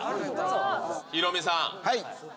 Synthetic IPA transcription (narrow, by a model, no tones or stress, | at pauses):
iɾomisãhaj